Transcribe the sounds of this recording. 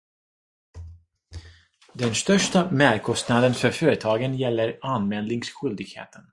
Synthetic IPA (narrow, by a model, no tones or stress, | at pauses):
d̪ɛnst̪œʂʈamæɾkʰɔst̪nad̪ənfœɾfœːɾət̪ʰɑːɡənjɛlːəɾanmɛld̪nɪŋsɧʏld̪ɪɡhḛːt̪ʰən